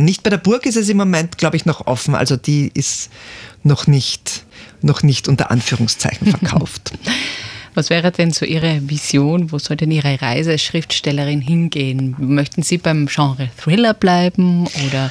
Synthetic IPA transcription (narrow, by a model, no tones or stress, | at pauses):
nɪçt̚b̥aɪdeːɐbʊɐkɪstɛs̬ɪmːomɛntɡ̥laʊbəɪçnɔχʔɔ̰fn̩ʔa̰lzod̥iːɪstnɔχnɪçtnɔχnɪçtʔʊntɐ̰ʔa̰nfyːʁʊŋst͡sa̰ɪçn̩fɛɐkʰa̰ʊft | vasv̥ɛːʁədɛnzoːʔiːʁəvizjoːnvoːzɔldɛniːʁəʁa̰ɪzəasʃʁ̥ɪftʃtɛləʁɪnɦɪnɡeːənmœçtn̩z̥iːbaɪmʒ̥ɑ̃ːʁəθʁɪlɐb̥laɪbm̩ʔoːdɐ